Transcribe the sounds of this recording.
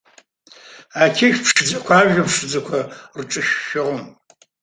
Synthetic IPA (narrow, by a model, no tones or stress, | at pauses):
akʲʰeʃpʂɨd͡zɐkʷʰaːʒɐpʂɨd͡zɐkʷʰɐrʈ͡ʂʼɨʃːɪʁəm